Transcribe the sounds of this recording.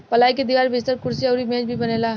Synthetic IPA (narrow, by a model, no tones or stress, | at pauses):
pɐlaːiked̪ɪʋaːɾbʱɪst̪əɾkʊɾsiɐːɾimeːd͡ʒbʱibɐneːlaɦ